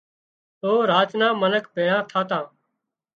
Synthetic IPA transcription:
oːɾaːt͡ʃnãːmənəkʰbʱeːɽãːt̪ʰaːt̪ãː

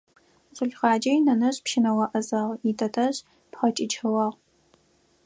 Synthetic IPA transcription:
ɕʼʊɬʁɑːd͡ʒɐjnɐnɐɕpʃɪnɐwɐʔɐzɐʁitʰɐtʰɐɕ | pχɐt͡ʃʼɪt͡ʃʰɐwɑːʁ

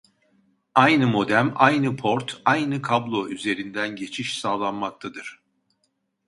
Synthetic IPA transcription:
ajnɯmo̞d̪æmajnɯpʰo̞ɾt̪ʰajnɯkʰablˠoyze̞ɾind̪ænɟe̞t͡ʃʰiʃsaːlˠanmak̚t̪ʰad̪ɯɾ̥

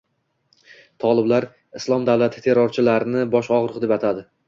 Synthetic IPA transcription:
t̪ʰɒlˠɪblaɾ | ɪslˠɒmd̪avlˠat̪ʰɪ̥t̪ʰe̞ɾɒɾt͡ʃʰɪlaɾɪnɪbɒʃɒʁɾɨqd̪e̞pat̪ʰad̪ɪ

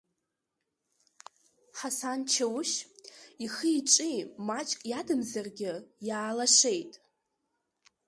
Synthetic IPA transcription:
ħasant͡ʃʰawʃiχiʈ͡ʂʷʼimat͡ʃʼkʼjadɨmzarɡʲɪjaːlaʂe̞jtʼ

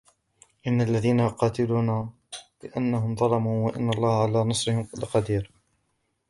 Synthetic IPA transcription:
ʔɪnːalːaðiːnaqɑːt̪ɪluːnaː | lɪʔanːaɦʊmd̪ˤɑlɑmuːwaʔɪ̰nːɑlˤːɑːhʕalaːnɑsˤɾɪhɪmlɪqɑd̪iːɾ

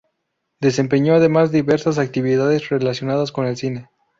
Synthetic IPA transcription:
d̪e̞s̬e̞mpe̞ɲo̞aðe̞mazd̪iβe̞ɾsas̬ak̚t̪iβiðaðe̞zrelasjo̞naðasko̞ne̞lsine̞

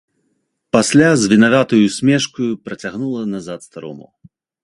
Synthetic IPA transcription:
pasʲlʲazʲvʲinavʲat̪ɐjusʲmʲɛʂkɐjupɾɐt͡sʲaɣnulˠɐnazat̪st̪aɾɔ̰mṵ

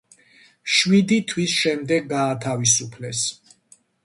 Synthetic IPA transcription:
ʃwid̪it̪ʰwisʃɛmd̪ɛɡːaːt̪ʰavisupʰlɛs

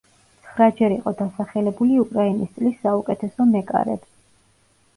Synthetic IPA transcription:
t̪sʰχɾad͡ʒɛɾiqʼɔd̪asaχɛlɛbuliukʼɾainist̪sʼlisːaukʼɛt̪ʰɛsɔmɛkʼa̰ɾɛ̰b̥

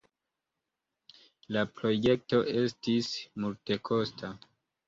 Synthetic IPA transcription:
lapɾo̞je̞k̚to̞ʔe̞stismulte̞kʰo̞stʰa

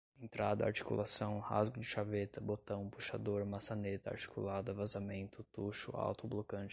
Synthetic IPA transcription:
ẽnt̪ɾad̪ɐa̰ɾt͡ʃi̥kṵlʔasɐ̃w̃ha̰zɡʊd͡ʒɪʃavet̪ɐbot̪ɐ̃w̃puʃa̰d̪oɾmasanet̪ɐa̰ɾt͡ʃi̥kulad̪ɐvazamẽnt̪ʊt̪uʃʊ̰a̰wt̪ʊblokɐ̃nt͡ʃɪ

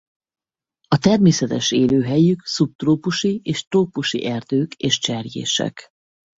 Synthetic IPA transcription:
ɒt̪ɛrmeːsɛt̪ɛʃeːløːɦɛjyksup̚t̪roːpuʃieːʃt̪roːpuʃḭʔɛrd̪øːkeːʃt͡ʃɛrjḛːʃɛ̰k

